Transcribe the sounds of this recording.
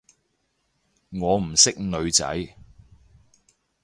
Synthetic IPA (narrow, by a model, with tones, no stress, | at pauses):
ŋɔː˨˧m̩˨˩sɪ˥k̚nɵ˨˧ɥt͡sɐ̰˨˥j